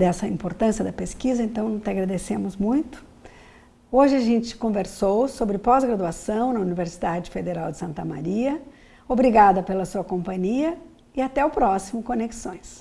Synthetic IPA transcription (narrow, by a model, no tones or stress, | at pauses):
d̪ɛsɐĩmpoɾt̪ɐ̃siɐd̪ɐpeskizɐẽnt̪ɐ̃w̃t̪ɪaɡɾad̪esẽmʊzmũj̃t̪ʊ̥ | oʒɪaʒẽnt͡ʃɪ̥kõveɾsowsobɾɪpɔzɡɾad̪uasɐ̃w̃nɐuniveɾsid̪ad͡ʒɪfed̪eɾawd͡ʒɪsɐ̃nt̪ɐma̰ɾiɐ | obɾiɡad̪ɐpelɐsuɐkõmpɐ̃ɲiɐ | ɪat̪ɛʊpɾɔsimʊkoneksõj̃s